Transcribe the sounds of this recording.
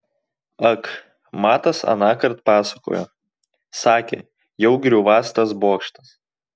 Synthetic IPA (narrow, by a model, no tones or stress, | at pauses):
ɐk | mɑːt̪ɐsɐ̰nɑːkɐɾt̪pɑːsɐko̰ːjo̰ | sɑːkʲḛː | jɛʊɡʲɾʲuːʋɑːst̪ɐsboːkʃt̪ɐs